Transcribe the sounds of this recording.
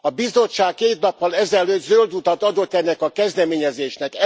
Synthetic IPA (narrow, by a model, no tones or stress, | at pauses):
ɒbizo̞t͡ʃːaːkːeːt̪nɒpːɒlɛzɛlːøːd̪zøld̪ut̪ɒt̪ɒd̪o̞t̪ːɛnːɛkɒkɛzd̪ɛmeːɲɛzeːʃnɛk